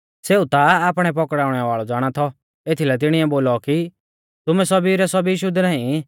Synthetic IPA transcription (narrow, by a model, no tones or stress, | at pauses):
seːut̪aaːpɽ̃ɛpɔkɽaːʊɽ̃ɛʋaːɭɔd͡zaːɽ̃at̪ʰɔ | eːt̪ʰilɛt̪̬ɪɽ̃ɪɛboːlɔki | t̪ʊmɛsɐbiɾɛsɔbiʃʊd̪nãːĩ